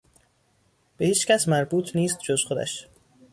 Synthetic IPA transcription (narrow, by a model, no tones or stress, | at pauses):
b̥e̞hiːt͡ʃcæsmæɾbuːt̪ʰniːst̪̚d͡ʒozxod̪æ̰ʃ